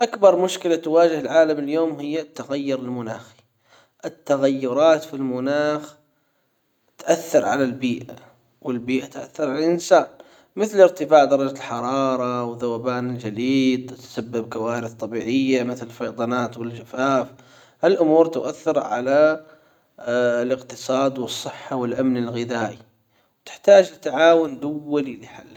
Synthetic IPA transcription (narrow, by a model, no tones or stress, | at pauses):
ʔakbɑɾˤmʊʃkɪlat̪waːd͡ʒɪhɪlʕaːlamɪljoːmɦɪjːat̪ːaɣajːʊɾɪlmʊnaːxi̥ | ʔɪt̪ːaɣajːʊɾˤɑːt̪filmʊnaːx | t̪ʔaθːɪɾˤʕa̰lalbiːʔa | wɪlbiːʔat̪ʔa̰θːɑɾˤʕalaalʔɪnsaːn | mɪθlɪɾt̪ɪfaːʕd̪ɑɾˤɑd͡ʒalħɑɾˤɑːɾˤɑwðawaːbaːnɪld͡ʒaliːd̪t̪sabːɪbkawaːɾɪθˤt̪ˤːɑbiːʕɪjːamɪθlɪlfɑjd̪ˤɑnaːt̪wɪld͡ʒafaːf | halʔʊmuːɾt̪ʊʔaθːɪɾʕa̰la | lɪqt̪ɨsˤɑːd̪wɨsˤːɨħːawɪlʔamnɪlɣɪðaːʔi | wt̪ɪ̥ħt̪aːd͡ʒɪt̪ːaʕaːwʊnd̪awːalilɪħa̰lː